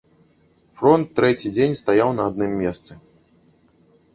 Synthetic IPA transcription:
fɾɔnt̪ːɾɛt͡sʲid͡zʲenʲst̪ajawnɐːd̪̚nɨmːʲest̪sɨ

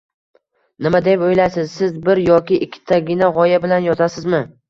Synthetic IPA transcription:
nɪmad̪e̞pojlasɪzsɪzbɪɾjɒkʲɪʔːkʲʰːɪ̥t̪ʰaɡʲɪnaʁɒjabɪlanjɒt̪ʰasɪzmɪ

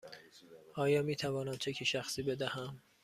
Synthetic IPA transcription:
ʔɒːjɒːmiːt̪ʰævɒːnæmt͡ʃʰecʰiʃæxsiːbe̞d̪æhæm

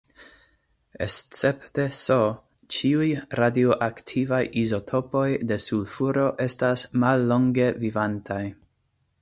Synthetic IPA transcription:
ḛst͡se̞pte̞so | t͡ʃiujɾadioʔaktʰivajʔizo̞tʰo̞po̞jde̞sudfuɾo̞ʔe̞stasmalːo̞ŋɡe̞vivantʰaj

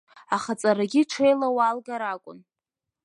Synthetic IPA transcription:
aχat͡sʼaɾaɡʲiʈ͡ʂʰejlawalɡaɾakʷʼʊ̰n

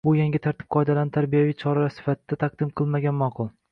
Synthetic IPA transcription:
bʊjaŋɡʲɪt̪ʰaɾt̪ʰɪ̥p̚qʰɒjd̪alant̪ʰaɾbijavijt͡ʃʰɒɾasɪ̥fat̪ʰɪd̪̥at̪ʰaq̚d̪̥ɪmqʰɨlˠmaɡʲanmɒqʰʊlˠ

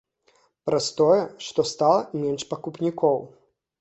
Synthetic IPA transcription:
pɾast̪ɔjɛʂt̪ɔst̪alˠɐmʲɛnʂpɐkupnʲikɔw

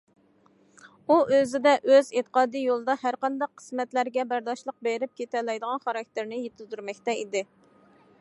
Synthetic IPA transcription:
uʔøzɪd̪ɛʔøzet̪ʰə̥qʰɑːd̪ijolˠɨd̪ɑhæɾqɑnd̪ɑqʰːə̥smɛt̪læɾɡʲɛbæɾd̪ɑʃlˠəq̚beɾɪp̚kʲʰet̪ɛlɛjd̪əʁɑnχɑɾɑk̚ʲt̪ʰɪɾnɪjet̪ʰɪzyɾmɛkʲt̪ɛid̪ɪ

